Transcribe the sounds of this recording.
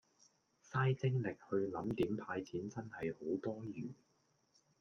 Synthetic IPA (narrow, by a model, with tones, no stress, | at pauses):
saː˥jt͡sɪ˥ŋlɪ˨k̚hɵ˧ɥlɐ˨˥mt̪iː˨˥mpʰaː˧jt͡sʰiː˨˥nt͡sɐ˥nhɐ˨jho˨˥wt̪ɔː˥jyː˨˩n